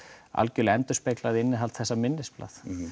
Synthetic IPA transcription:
a̰lcʏlɛnt̪ʏ̥speklaðɪɪnːɪɦalt̪θɛsːamɪnːɪspla̰θ

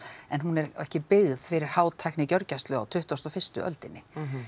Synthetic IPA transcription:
ɛnɦunɛɾɛ̰hcɪpɪɣðfɪɾɪɾ̥haːwt̪ʰajknɪcœɾcast̪lʏawt̪ʰʏht̪ɔst̪ɔfɪst̪ʏʔœ̰lt̪ɪnːɪ

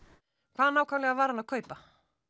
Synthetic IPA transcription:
kʰvaːðanaːwkʰamlɛɣavaːɾanakʰœːɥpa

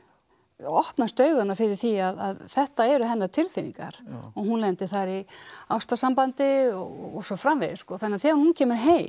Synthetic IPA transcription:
ɔhpnast̪œːɥɣʏnafɪɾɪɾ̥θiaðaðθɛht̪aɛɾʏɦɛnːaɾt̪ʰɪlθinḭŋka̰ɾ̥ɔɣɦunlɛnt̪ɪθaɾiawst̪asampant̪ɪɔɣɔ̰ɣɔsɔfɾamvejðɪskɔθanːaɾθɛːɣanhuncʰɛːmʏɾɦeː

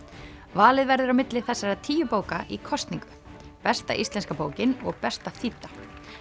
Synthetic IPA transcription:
vaːlɪðvɛɾðʏɾawmɪt̪lɪθɛsːaɾat̪ʰiːjʏpoːwkaʔikʰɔst̪niŋkʏ | pɛst̪a̰ʔist̪ɛnskapoːwcɪnɔɣpɛst̪aθit̪ːḁ

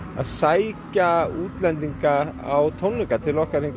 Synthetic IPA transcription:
a̰ðsajcauːt̪lɛnt̪iŋkaa̰wt̪ʰɔnːʏŋkat̪ʰɪlɔhkaɾ̥heŋk

